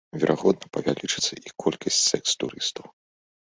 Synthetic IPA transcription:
vʲɛɾʔaɣɔd̪̚nɐpɐvʲalʲit͡ʂɨt̪sɐʔikʰɔlʲkʰɐsʲt͡sʲsɛkst̪uɾɨst̪ɐw

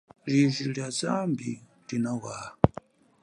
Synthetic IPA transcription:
liʒʷiɺjad͡zambi | dinawaː

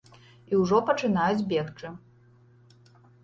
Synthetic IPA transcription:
iwʐɔpɐt͡ʂɨn̪ajud͡zʲbʲɛxt͡ʂɨ

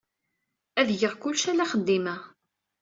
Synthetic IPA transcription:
æðjəʁkʊlːʃælæχəd̪ːimæ

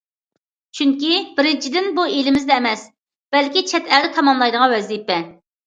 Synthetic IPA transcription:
t͡ʃʰyŋkʲib̥ɪɾɪnt͡ʃʰid̪ɪnbuelɪmɪzd̪ɛːmɛs | b̥ɛlkʲit͡ʃʰɛt̪ʰæd̪ɪt̪ʰɑmɑmlˠɑjd̪əʁɑwɛzd̪ipːɛ

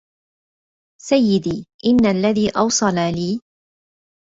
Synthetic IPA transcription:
sajːɪd̪iːʔɪnːalːaðiːʔɑwsˤɑlaliː

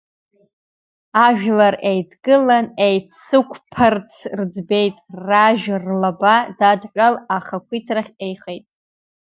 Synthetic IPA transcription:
aʒᶣlarejdɡɨlanejt͡sːɨkʷʰpʰɨrt͡sʰrd͡zbe̞jtʼraʒrlabadadʕʷalaχakʷʰitʰraχʲejχejtʼ

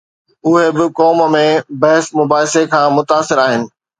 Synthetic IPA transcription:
ʊɦebɪkɔːmmẽbɐɦɪsmʊbaːɦɪsekʰãːmʊt̪aːsɪɾaːɦɪnɪ̆

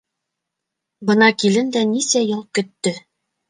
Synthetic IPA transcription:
bɤ̆nɑkilɘnd̪ænisæjɤlˠkɵ̆t̪ːɵ

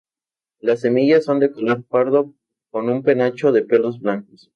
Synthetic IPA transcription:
lasːe̞miʝasːo̞nd̪ekolo̞ɾpaɾðo̞ | ko̞numpe̞nat͡ʃo̞ðe̞pe̞lo̞zβlaŋkos

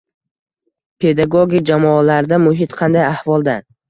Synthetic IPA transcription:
pʰe̞d̪aɡoɡʲik̚ʲd͡ʒamɒːlaɾd̪amʊɦɪt̪qʰɑnd̪ajahvɒlˠd̪a

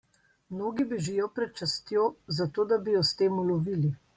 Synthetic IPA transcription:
mnoːɡibeʒijɔpɾɛt̪̚t͡ʃast̪joːzat̪oːd̪abijɔst̪eːmulɔʋiːli

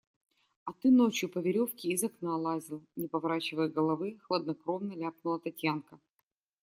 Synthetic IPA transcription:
ɐt̪ɨno̞t͡ɕjʊpəvʲɪɾʲo̞fkʲɪːzɐknalˠazʲɪlˠnʲɪpɐvɐɾat͡ɕɪvəjɡəlˠɐvɨxlˠəd̪nɐkɾomnəlʲap̚nʊlˠət̪ɐtʲjankə

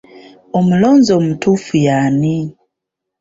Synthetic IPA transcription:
omuloːnzoːmutufujani

